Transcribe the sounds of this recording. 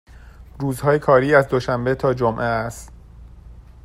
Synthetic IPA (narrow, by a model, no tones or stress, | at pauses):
ruːzhɒːjekʰɒːɾiːæzd̪oʃæmbet̪ʰɒːd͡ʒomʔeːst̪